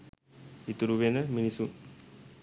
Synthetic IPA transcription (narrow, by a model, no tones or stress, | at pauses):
it̪uɾuʋenəminisu